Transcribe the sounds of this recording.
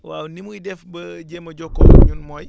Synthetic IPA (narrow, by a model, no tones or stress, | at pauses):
waːwnimujidɛfbɐɟemɐɟɔkːɔ̰ɲunmɔːj